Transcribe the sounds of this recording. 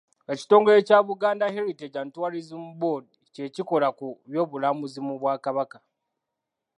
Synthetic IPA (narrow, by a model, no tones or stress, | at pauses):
e̞ci̥to̞ːŋɡoe̞caβuɡaːndaheɾiteɟantwaːɾizimbodice̞ciko̞lakuβjo̞ːβulamuzimuβwaːkaβaka